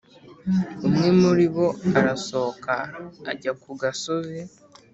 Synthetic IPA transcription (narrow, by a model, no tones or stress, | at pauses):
umŋe̞muɾiβo̞aɾaso̞kaːɟakuɡaso̞zi